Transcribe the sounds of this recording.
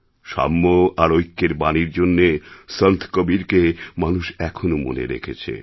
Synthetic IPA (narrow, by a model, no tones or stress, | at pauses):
ʃa̰mːoaɾojkːeɾbaniɾd͡ʑonːesənt̪ʰkobiɾkemanuʃɛkʰonomo̰nḛɾḛkʰet͡ɕʰḛ